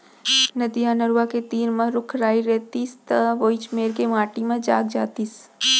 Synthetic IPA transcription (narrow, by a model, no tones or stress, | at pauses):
nɐd̪ijãnəɾʋaket̪iːɾmə̃ɾʊkʰɾaːiɾɛːt̪iːst̪ɐʋoːit͡ʃmeːɾkemaːʈimẽd͡ʒaːɡd͡ʒaːt̪iːs